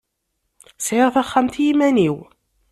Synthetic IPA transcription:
sʕiɾθaχːamt̪jimæniw

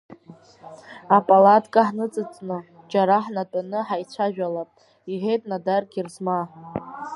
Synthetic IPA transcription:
apʼalatʼkʼaħnɨt͡sʼɨt͡sʼnɨ | d͡ʒaɾaħnatʼanɨħajt͡ɕʷʰaʒᶣalapʼ | iħejtʼnadarɡʲirzma

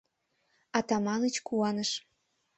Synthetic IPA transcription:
ɑt̪ɑmɑnət͡ɕkuɑnəʃ

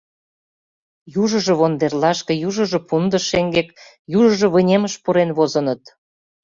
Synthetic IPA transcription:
juʒə̆ʒɤ̆βond̪erlɑʃkĕjuʒə̆ʒɤ̆pund̪ə̆ʃeŋɡek | juʒə̆ʒɤ̆βə̆nʲeməʃpuɾenβozə̆nə̆t̪

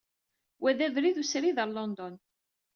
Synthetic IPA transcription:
wæðævɾiðusɾiðəɾlɔnd̪ɔn

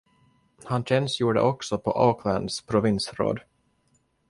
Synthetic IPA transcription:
hanɕɛnsjuːɖə̰ʔɔksɔpʰɔʔaːkʰlænd̪spʰɾʊvɪnsɾo̰ːd̪

